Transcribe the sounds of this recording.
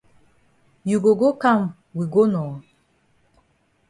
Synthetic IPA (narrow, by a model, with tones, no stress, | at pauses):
ju˨ɡo˨ɡo˦kã˦˨m | wi˨ɡo˦nɔ˨